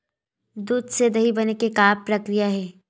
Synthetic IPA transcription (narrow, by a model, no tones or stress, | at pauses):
d̪uːd̪sed̪ɐɦibɐnekekaːpɾɐkɾijaɦɛː